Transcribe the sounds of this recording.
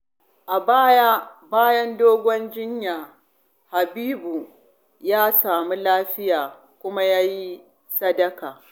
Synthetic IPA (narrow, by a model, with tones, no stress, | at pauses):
ʔa˨baː˦ja˦baː˦jɐ˦ndoː˦ɡʷɔ˦nd͡ʒɪ˦ɲjaː˨ | ha˨biː˦bu˨ | jaː˦saː˨mu˦laː˦ɸɪ˦jaː˨ | kʷʊ˦ma˦jaː˦ji˦ | sɐ˦dɐ˦kaː˨